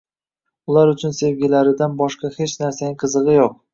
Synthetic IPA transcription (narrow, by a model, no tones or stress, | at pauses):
ʊlaɾʊt͡ʃʰʊnse̞vɡʲɪlaɾɪd̪anbɒʃqɑhe̞t͡ʃnaɾsanɪqʰɨzɨʁɨjoq̚